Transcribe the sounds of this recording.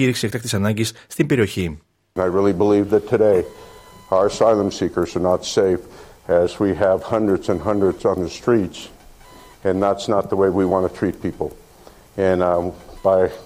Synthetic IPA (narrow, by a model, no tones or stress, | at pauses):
iɾiksiekt̪ɐkt̪isɐnɐɲɟisːt̪imbe̞ɾio̞çi | naɪɹɪlˠibəlivðɨtʰɨɾeɪ | aʊə˞saɪlˠə̃msikə˞zə˞nətseɪfɨzwiɨv̥hʌ̃ndɹɨdzɨ̃nɦʌ̃ndɹɨdzn̩ðɨstɹ̥its | ɨ̃nðætsnət̪̚ðəweɪwiwɑ̃ntɨtʰɹ̥it̚pʰipl̩ˠ | ɨ̃nb̥aɪ